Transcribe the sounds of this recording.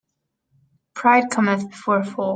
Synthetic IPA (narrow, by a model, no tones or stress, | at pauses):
pʰɹ̥aɪd̚kʰʌ̃mɨ̃θb̥ɨfɔɹfɔ